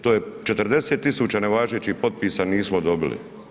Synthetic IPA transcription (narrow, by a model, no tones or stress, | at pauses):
t̪oːje̞t͡ʃet̪r̩d̪e̞seːt̪ːisuːt͡ɕaneʋaːʒet͡ɕihpo̞t̪̚pisaniːsmod̪o̞bilḭ